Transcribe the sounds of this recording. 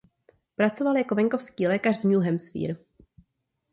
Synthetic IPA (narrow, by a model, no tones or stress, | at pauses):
pɾat͡so̞valjako̞vɛŋko̞fskiːlɛːkarvɲuɦɛmsfḭːɾ